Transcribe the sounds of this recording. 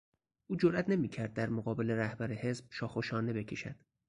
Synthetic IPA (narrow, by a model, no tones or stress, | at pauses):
ʔuːd͡ʒoɾʔæt̪ʰne̞miːcʰæɾd̪̚ːæɾmoɣɒːbe̞le̞ɾæhbæɾehe̞sb̥̚ʃɒːxoʃɒːne̞be̞cʰe̞ʃæ̰d̪̥